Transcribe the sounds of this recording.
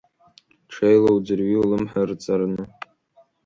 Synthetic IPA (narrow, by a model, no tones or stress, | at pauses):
ʈ͡ʂʰejlowd͡zɨrɥiulɨmħart͡sʼarnɨ